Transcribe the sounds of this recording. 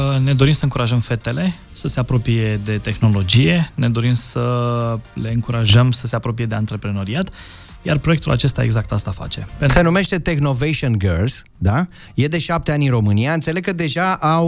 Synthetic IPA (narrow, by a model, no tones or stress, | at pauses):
ne̞d̪o̞ɾimsəɨŋkuɾaʒəmfe̞t̪e̞le̞ | səse̞apɾo̞pije̞d̪e̞t̪e̞xno̞lo̞d͡ʒije̞ne̞d̪o̞ɾimsə | le̞ɨŋkuɾaʒəmsəse̞apɾo̞pije̞d̪eant̪ɾe̞pɾe̞no̞ɾiat̪ | jarpɾoekt̪ula̰t͡ʃe̞st̪a̰e̞̰ɡzak̚t̪ast̪afa̰t͡ʃe̞̰p̪ssenume̞ʃt̪e̞t̪e̞xno̞vejʃionɡəlz̥ | d̪a | je̞d̪e̞ʃap̚t̪e̞anʲinro̞mɨnijaɨnt̪sele̞ɡ̚kəd̪e̞ʒaʔaw